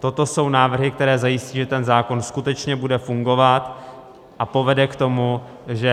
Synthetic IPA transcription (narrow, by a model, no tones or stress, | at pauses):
t̪o̞t̪o̞so̞wnaːvr̩ɦɪk̚t̪ɛɾɛːzajɪsciːʒɛt̪ɛnzaːko̞nskut̪ɛt͡ʃɲɛbudɛfuŋɡo̞vat̪ | ʔapo̞vɛdɛkt̪o̞mu | ʒɛ